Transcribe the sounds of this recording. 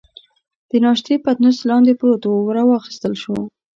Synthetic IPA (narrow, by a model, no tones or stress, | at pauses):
d̪̥ənɑʃt̪epat̪nʊslɑnd̪epəɾot̪owwɾawɑxi̥st̪əlʃo